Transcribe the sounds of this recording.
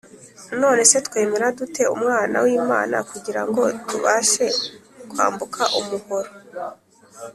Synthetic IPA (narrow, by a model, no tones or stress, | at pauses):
no̞ːne̞setkwe̞ːme̞ɾadute̞ṵmŋaːna̰wiːma̰ːna̰kuɟiɾaŋɡo̞tʰuβaʃe̞ | kwa̰ːmbukʰaʔumuhoɾo